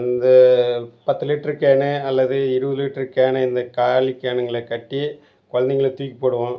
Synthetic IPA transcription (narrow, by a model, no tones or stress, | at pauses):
ɪnd̪ɐpɐt̪ːɯlɪʈːɐɾɯkeːɳeɐlːɐðɯɪɾɯbɐðɯlɪʈːɐɾɯkeːɳɐɪnd̪ɐkaːlikːeːɳɐŋɡɐɭɛkɐʈːi | kɔɻɐnd̪ɪŋɡɐɭet̪uːjkːi̥pːoːɽɯʋõː